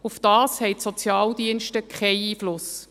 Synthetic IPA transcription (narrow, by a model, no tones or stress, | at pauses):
ufd̥ɑːshɛɪtsɔt͡sjɑːldiənʃtəkχɛɪiːflʊs